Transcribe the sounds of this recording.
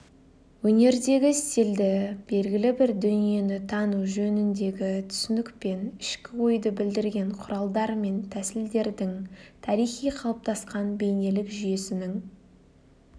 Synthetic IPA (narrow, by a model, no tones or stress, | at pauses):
wɵne̞ɾd̪e̞ɡʲɪst̪eld̪ɪb̥e̞lɡʲɪlɪbɪɾd̪ʏnije̞nɪt̪ʰɑnuʒɵnɪnd̪e̞ɡʲɪt̪ʰʏ̥sʏnɪkpe̞nɪʃkʲɪwo̞jd̪əbɪld̪ɪɾɡʲe̞ɴqʰʊɾɑlˠd̪ɑɾme̞nt̪ʰæsɪld̪e̞ɾd̪ɪŋt̪ʰɑɾijχijqʰɑlˠəp̚t̪ʰɑsqɑnbe̞jnelɪkʒyje̞sɪnɪŋ